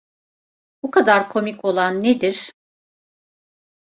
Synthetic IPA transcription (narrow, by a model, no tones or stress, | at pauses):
bukad̪aɾkʰo̞miko̞lˠanːed̪iɾ̥